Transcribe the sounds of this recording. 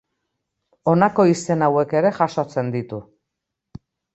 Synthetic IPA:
o̞nako̞ise̞nawe̞ke̞ɾe̞ʝaʃo̞t͡se̞nd̪it̪u

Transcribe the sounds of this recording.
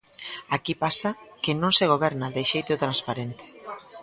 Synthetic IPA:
akipasakɪnõŋseɣ̞oβɛɾnaðeʃejt̪ʊt̪ɾãnspaɾent̪ɪ̥

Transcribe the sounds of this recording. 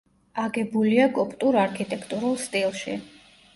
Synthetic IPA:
aɡɛbuliakʼɔpʼt̪ʼuɾaɾkʰit̪ʼɛkʰt̪ʼuɾulˠst̪ʼilˠʃḭ

